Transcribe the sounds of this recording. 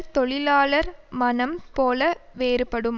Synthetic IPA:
t̪ɔɭɪlaːlɐɾmɐnɐmpoːlɐʋeːɾɯpːɐɽɯm

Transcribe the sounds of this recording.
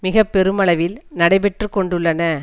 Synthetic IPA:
mɪɣɐpːɛɾɯmɐɭɐʋɪlnɐɽɐɪpɛʈrɯkːɔɳɖɯɭːɐnɐ

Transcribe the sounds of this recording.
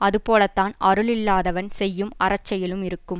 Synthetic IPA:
ɐðɯpoːlɐt̪ːaːnɐɾɯɭɪlːaːðɐʋɐnsɛjːɯmɐrɐt͡ʃːɐjɪlɯmɪɾɯkːɯm

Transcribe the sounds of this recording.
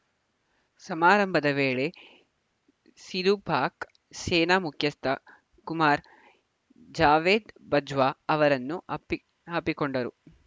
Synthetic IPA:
sɐmaːɾɐmbʱɐd̪ɐʋeːɭe̞ | sid̪ubʱaːk | seːnaːmukʰjɐst̪ʰɐ | kumaːɾ | d͡ʒaːʋeːd̪bɐd͡ʒʋaːɐʋɐɾɐnːu | aːpikoɳɖɐɾu

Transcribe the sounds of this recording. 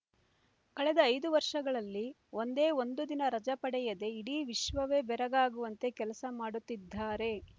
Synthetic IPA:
kɐɭɛd̪ɐːjd̪uʋɐɾʂɐɡɐɭɐlːi | o̞nd̪e̞ːo̞nd̪ud̪inɐɾɐd͡ʒɐpɐɽɛjɐd̪e̞iɽiːʋiʃʋɐʋeːbɛɾɐɡaːɡuʋɐnt̪e̞kɛlɐsɐmaːɽut̪ːid̪ʱːaːɾe̞

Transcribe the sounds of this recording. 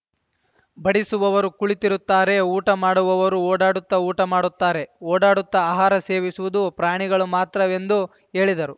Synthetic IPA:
bɐɽisuʋɐʋɐɾukuɭit̪iɾut̪ːaːɾe̞uːʈɐmaːɽuʋɐʋɐɾuoːɽaːɽut̪ːɐuːʈɐmaːɽut̪ːaːɾe̞oːɽaːɽut̪ːɐaːɦaːɾɐse̞ːʋisuʋud̪upɾaːɳiɡɐɭumaːt̪ɾɐʋe̞nd̪u | e̞ːɭid̪ɐɾu

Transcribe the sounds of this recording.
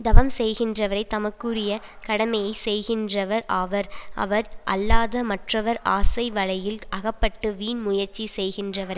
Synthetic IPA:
d̪ɐʋɐmsɛjɣɪndrɐʋɐɾɐɪt̪ːɐmɐkːɯrɪjɐ | kɐɽɐmɐjɐɪsɛjɣɪndrɐʋɐɾaʋɐɾʔɐ̰ʋɐɾʔɐ̰lːaːðɐmɐʈrɐʋɐɾaːsɐɪʋɐɭɐjɪlʔɐɣɐpːɐʈːɯʋiːnmʊjɐɾt͡ʃːisɛjɣɪndrɐʋɐɾɐɪ

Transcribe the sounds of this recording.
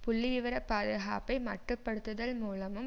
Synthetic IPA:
pʊɭːɪʋɪʋɐɾɐpaːðɯɣa̰ːpɐɪmɐʈrɯpːɐɽɯt̪ːɯðɐlmuːlɐmɯm

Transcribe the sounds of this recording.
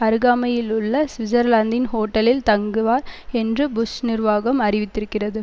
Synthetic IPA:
ɐɾɯɣaːmɐjɪlʊɭːɐsʋɪd͡ʒɐɾlaːnd̪ɪnhoːʈːɐlɪlt̪ɐŋɡɯʋaːɾɛndrɯbʊsnɪɾʋaːɣɐmɐrɪʋɪt̪ːɪɾɯkːɪrɐðɯ

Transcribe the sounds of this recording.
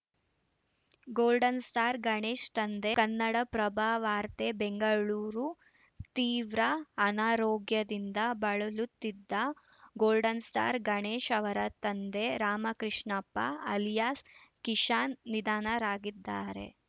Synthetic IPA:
ɡoːlɖɐnsʈaːɾɡɐɳeːʂt̪ɐnd̪ekɐnːɐɽɐpɾɐbʱaːʋaːɾt̪ebeŋɡɐɭuːɾu | t̪iːʋɾɐːnaːɾoːɡjɐd̪ind̪ɐbɐɭɐlut̪ːid̪ːɐ | ɡoːlɖɐnsʈa̰ːɾɡɐɳeːʃɐʋɐɾɐt̪ɐnd̪e̞ɾaːmɐkɾiʂɳɐpːɐ̰ɐljaːskiʂaːnːid̪aːnɐɾaːɡid̪ːaːɾe̞̰

